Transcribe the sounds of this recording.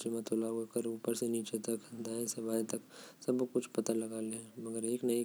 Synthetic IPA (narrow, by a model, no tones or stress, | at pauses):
t͡ʃemãt̪ʰoːlaɦuakəɾuːpəɾseniːt͡ʃet̪ɐkd̪aːẽsɐbʱaːit̪ɐksɐbkʊt͡ʃʰpɐt̪alɐɡaːlẽmɐɡəɾeːknɐi